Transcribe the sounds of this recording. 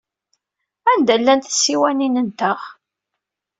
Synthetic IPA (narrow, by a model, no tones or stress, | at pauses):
ænd̪ælːænt̪sːiwæninənt̪əʁ